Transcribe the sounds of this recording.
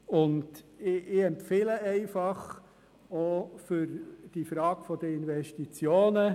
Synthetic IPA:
ʊndɪɛmpfɪləɛɪfɑχ | ofʏɾd̥ifɾɑːɡfɔd̥̪əinvɛʃtit͡sjoːnə

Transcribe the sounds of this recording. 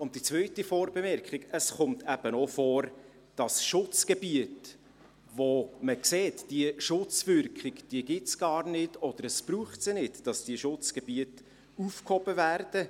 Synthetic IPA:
ʊnt̚d̥it͡svœʏtifɔːɾbɛmɛrkχɪkəsχʊmtʰæb̥ənɔfɔːɾ | d̥ɑsʃʊt͡sɡ̥ebiət | voməkseːtd̥iəʃʊt͡svʏrkχɪɡd̥iəɡɪt͡sɡ̥ɑːrnɪdɔd̥əɾəsb̥ɾuːχtsinɪtd̥ɑsd̥iəʃʊt͡sɡ̥ɛb̥iət | ufkhɔb̥əværd̥ə

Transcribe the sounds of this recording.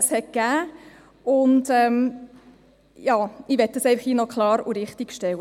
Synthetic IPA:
shɛt̚kæː | ʊntɛm | jɑːiʋɛtːəsɛɪfəχiːnɔkʰlɑːɾuɾɪχtiɡ̥ʃtɛwə

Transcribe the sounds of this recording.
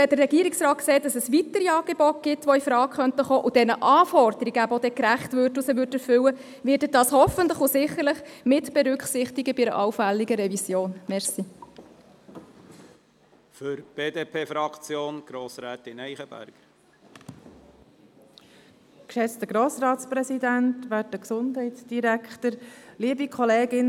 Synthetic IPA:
ɛd̥̪ərːɛɡ̥iːəɾiksrɑːt̚kseːt̚dɑsɛsʋitəɾiɑːɡ̥ebɔt̚ɡ̥ɪt̪ʋɔifɾɑːkχœntəχoːʔʊd̥ɛnəʔɑːfɔrd̪əɾiɡəæpvɔd̪ɛkɾæχtʋørtusɛʋʏːtɛɾfʏwə | ʋɪːɾdədɑːshɔfənt̪ləχʊsɪχːəɾləχmɪtb̥ɛɾʏkχsɪχtiɡəbɪɾə̰ʔɑwfælːiɡəɾɛvisjoːnmɛɾsi | fʏɾb̥eːd̪eːpʰeːfɾɑkt͡sjoːnɡ̥ɾoːsɾɛːt̪ɪnɛɪχəb̥æ̰ɾɡ̥ | kʃɛt͡st̪əɡɾoːsɾɑːt̪spɾɛsidænt̪ʋætəksʊndhɛɪt̪sd̥iɾækχtəɾliəbikʰɔleːɡɪn

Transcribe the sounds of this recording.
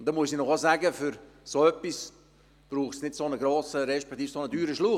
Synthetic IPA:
ʊntd̥̪ɛnmuəsinɔχozæːɡəfyɾ | soœpːis | b̥ɾuːχtsnɪtsonəɡɾoːsəɾɛʃpɛk̚t̪iːfsonədyːɾəʃluː

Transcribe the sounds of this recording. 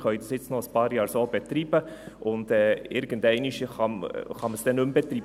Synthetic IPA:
χœʏdɑsɪt͡snɔəspɑːɾjɑːɾsoːb̥ɛt̪ɾiːb̥əʔʊndɛːɪɾɡ̥əndɛɪniʃχɑmχɑməsd̥ɛnʉmbɛt̪ɾi

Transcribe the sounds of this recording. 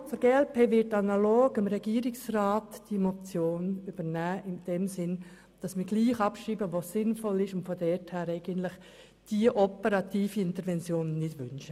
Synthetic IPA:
fəɾɡ̥eːɛlpʰeːvɪtːɑnɑloːɡɪmɾɛɡ̥iːəɾɪksraːtd̥imot͡sjoːnyb̥əɾnæːʔɪnd̥ɛmsɪn | d̥ɑsmɪɾɡ̥liːχɑpʃiːbəʋosɪnfɔlɪʃʊntfodɛthæːɾɛɪɡ̥əntlɪχ | d̥iəʔɔpəɾɑtiːfiɪntəɾʋɛnt͡sjoːnːɪtʋʏ̰nʃə

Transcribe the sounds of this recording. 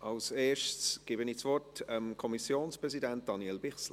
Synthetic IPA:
ʔɑlseːʃtsɡ̥ɪːbəniːt͡svɔrtəmkʰɔmisjoːnspʁɛzidɛnt̚d̥ɑnjɛlbɪχsl

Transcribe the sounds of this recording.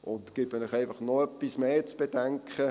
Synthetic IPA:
ʊntkɪtməlɪχæɪfɑχnɔœpːismeːt͡sb̥ed̥ɛŋkχə

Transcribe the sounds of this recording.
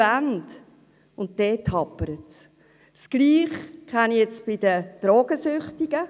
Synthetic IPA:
and | ʊnt̚d̥ɛːtʰhɑpːəɾəts | sɡ̥liːχkʰaniɛt͡sb̥ɪdəd̥ɾɔːɡ̥əsʏχtiɡ̥ə

